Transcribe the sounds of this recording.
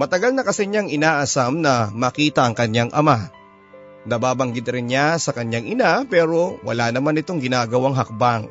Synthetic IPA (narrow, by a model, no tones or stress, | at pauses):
mɐt̪ɐɡalnɐkɐsɛɲaŋɪnaːʔɐsamnɐmɐkiːt̪ɐʔɐŋkɐɲjaŋʔɐma | d̪aːbaːbɐŋɡɪd̪ɾɪnɲasɐkɐɲjaŋʔɪnapɛːɾo̞wɐ̰lanɐmanɪt̪o̞ŋɡɪnaːɡɐwaŋɦɐk̚baŋ